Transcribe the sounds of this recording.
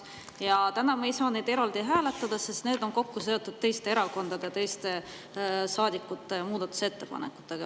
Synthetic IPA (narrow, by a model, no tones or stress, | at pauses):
jɑt̪ænɑmejsɑːne̞jd̪e̞ɾɑld̪̥iɦæːle̞t̪ːˑɑd̪̥ɑse̞st̪neːd̪̥o̞nko̞kːus̬e̞o̞t̪ːud̪̚t̪e̞jst̪e̞eɾɑko̞nd̪̥ɑd̪et̪e̞jst̪e̞ | sɑːd̪ikːˑut̪ːˑe̞muːd̪̥ɑt̪ːˑu̥se̞t̪ːe̞pɑ̰ne̞̰ku̥t̪ːˑeɡ̥ɑ